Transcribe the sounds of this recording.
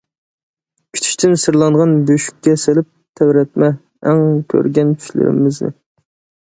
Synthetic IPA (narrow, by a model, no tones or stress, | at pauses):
kʲʰi̥t̪ʰi̥ʃt̪ʰɪnsɨɾlˠɑŋʁɑnbøʃy̥kʲːɛsɪlɪp̚t̪ʰæwɾɛt̪̚mɛ | ɛŋkʲʰø̰ɾɡʲɛnt̪ʰy̥ʃlɪ̰ɾɪ̰mɪznɪ̰